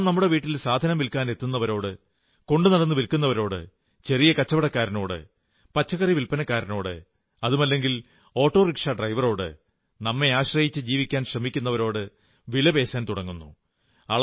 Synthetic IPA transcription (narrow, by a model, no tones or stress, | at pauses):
mnɐmːuɽe̞ʋiːʈːilsaːd̪ʱɐnɐmʋilkaːne̞t̪ːunːɐʋɐɾo̞ːɽɨ | ko̞ɳɖɨnɐɽɐnːɨʋilkunːɐʋɐɾo̞ːɽɨ̰ | t͡ɕe̞rijɐkɐt͡ɕːɐʋɐɽɐkːaːɾɐno̞ːɽɨ̰ | pɐt͡ɕːɐɣɐriʋilpɐnɐkːaːɾɐno̞ːɽɨ̰ | ɐðumɐlːe̞ŋɡil | o̞ːʈːo̞ːrikʂɐɖrɐjʋɐro̞ːɽɨ̰ | nɐmːe̞aːɕrɐjit͡ɕːɨd͡ʑiːʋikʲːaːnɕrɐmikʲːunːɐʋɐɾo̞ːɽɨ | ʋilɐbe̞ːsaːnt̪uɽɐŋːunːu | ɐɭ